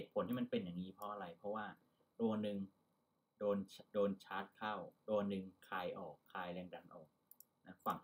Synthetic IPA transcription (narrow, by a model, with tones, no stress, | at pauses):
he˨˩t̪̚ʰo˩˦nt̪ʰiː˥˩ma˧npe˧njaː˨˩ŋniː˦˥pʰɔ˦˥ʔa˧ɾa˧jpʰɾɔ˦˥waː˥˩ | t̪u˧ɐnɯ˧ŋ | doː˧nt͡ɕʰdoː˧nt͡ɕʰaː˦˥t̪̚kʰa˥˩wt̪u˧ɐnɯ˧ŋkʰaː˧jʔɔː˨˩kʰːaː˧jlɛː˧ŋda˧nʔɔː˨˩k̚ | na˦˥fa˨˩˦ŋ